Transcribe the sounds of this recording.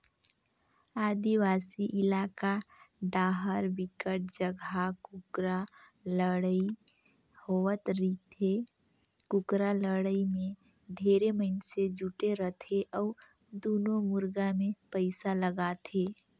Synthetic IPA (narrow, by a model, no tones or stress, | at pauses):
aːd̪iwaːsiʔɪlaːkaɖaːɦəɾwɪkəʈ̚d͡ʒəɡʱakɾa | ɽi | howət̪ɾit̪e | kʊkɾaləɽəimẽ | d̪ʱeːɾeməɪnsed͡ʒuʈeɾət̪ʰeʔɔːɾ | d̪oːnõmʊɾɡamẽpəɪsaləɡaːt̪ʰeː